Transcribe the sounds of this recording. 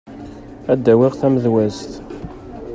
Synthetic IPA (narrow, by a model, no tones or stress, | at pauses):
æd̪ːæwiʁθæməðwæst̪